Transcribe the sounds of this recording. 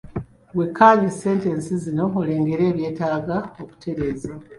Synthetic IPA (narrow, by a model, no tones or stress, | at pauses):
wekʰːaːɲise̞ːnte̞nsizino̞ole̞ːŋɡe̞ɾe̞ːβje̞ːtaːɡaoku̥tʰe̞ɾe̞ːza